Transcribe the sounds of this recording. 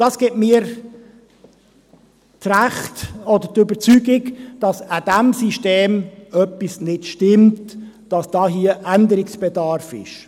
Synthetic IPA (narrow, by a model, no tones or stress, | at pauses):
d̥ɑsɡ̥ɛtmiːɾ | træχtɔd̪ətʏbəɾt͡syɡɪkd̥ɑsad̥æmsiʃteːmœpːisnɪdʃtɪmt | d̥ɑsd̥ɑːɦiəʔændəɾɪksb̥ɛdɑɾfɪ̰ʃ